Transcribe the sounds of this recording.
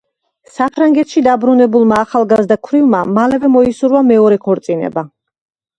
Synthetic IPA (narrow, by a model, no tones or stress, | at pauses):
sapʰɾaŋɡɛt̪ʃid̪abɾunɛbulˠmaːχalˠɡazd̪akʰvɾivmamalɛvɛmɔisuɾvamɛɔɾɛkʰɔɾt̪sʼinɛ̰ba